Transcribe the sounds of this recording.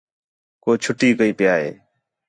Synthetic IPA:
koːt͡ʃʰʊʈiːkəiːpɪjaːɦḛː

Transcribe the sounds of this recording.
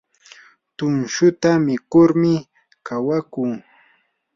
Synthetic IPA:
t̪ʊnʃʊt̪amɪkʊɾmɪ | kawakʊŋ

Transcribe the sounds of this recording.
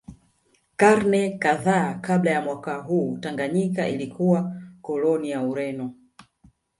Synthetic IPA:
kaɾnɛkaðakaɓlajamwakaɦuːtaŋɡaɲikaʔilikʰuwakɔlɔnijauɾɛnɔ

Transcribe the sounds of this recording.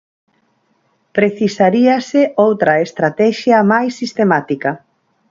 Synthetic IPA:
pɾeθisaɾiɐseowt̪ɾɐest̪ɾat̪ɛʃjɐmajsːist̪emat̪ikɐ

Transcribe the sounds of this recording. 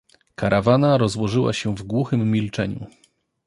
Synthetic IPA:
kaɾʔavanaɾɔzwɔʐɘwa̰ɕɛvɡwuxɘmːʲilt͡ʂɛɲṵ

